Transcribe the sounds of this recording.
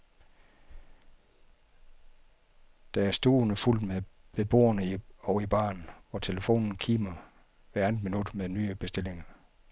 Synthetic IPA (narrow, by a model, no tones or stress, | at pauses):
d̥ææɐsd̥oːnəful̰d̥meʋe̝b̥o̝̰ːɐnəiɒʊib̥ɑ̰̈ːnʋɒt͡sʰe̝ləfo̝̰ːnn̩kʰiːmɐ | ʋæɐæn̥ˠminud̥meðˠnyːəb̥e̝sd̥e̝le̝ŋɐ